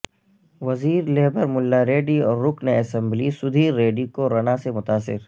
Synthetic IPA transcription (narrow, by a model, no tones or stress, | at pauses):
ʋɐziːɾleːbəɾmʊlːaɾeːɖiɔːɾːʊkneɐsɛ̃mblisʊd̪ʱiːɾːeːɖikoɾɐñasemʊt̪aːsɪ̰ɾ